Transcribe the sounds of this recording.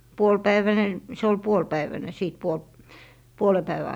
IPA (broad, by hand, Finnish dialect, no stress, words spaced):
puolpæiʋæne se ol puolpæiʋæne siˑt puolp puole pæiʋæ